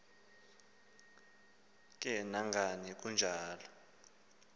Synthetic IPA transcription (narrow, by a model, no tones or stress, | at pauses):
k̬ʼɛnaŋɡʱanik̬und͡ʒʱaːlɔ